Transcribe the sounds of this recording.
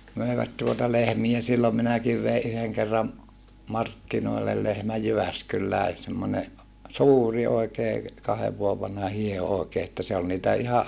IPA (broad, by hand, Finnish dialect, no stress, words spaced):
møˑi̯ʋæt tuotɑ lehmie silːom minækiʋ ʋei ʔyheŋ kerːɑm mɑrkːinoi̯lːel lehmæj jyʋæskylːæˑi̯ semːone suːri oikeː kɑheʋ ʋuoʋ ʋɑnhɑ hieo oˑekeː etːæ se ol niːtæ ʔihɑʔ